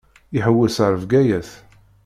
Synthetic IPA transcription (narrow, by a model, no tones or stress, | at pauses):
iħəwːəsəɾˤəvɡæjæθ